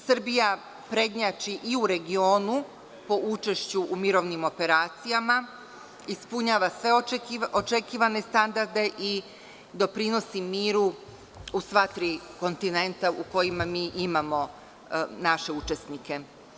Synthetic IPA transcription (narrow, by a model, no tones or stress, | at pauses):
sr̩bija | pɾe̞d̪ɲat͡ʃiʔiuɾe̞ɡio̞ːnu | po̞ut͡ʃe̞ʃt͡ɕuʔumiɾo̞ʋnimo̞pe̞ɾaːt̪sijama | ispuɲaːʋasʋe̞ot͡ʃe̞kiːʋane̞st̪and̪aɾd̪e̞ʔi | d̪o̞pɾino̞simiːɾu | usʋat̪ɾiko̞nt̪ine̞nt̪auko̞jimamiːʔimamo̞ | naʃe̞ut͡ʃe̞snike̞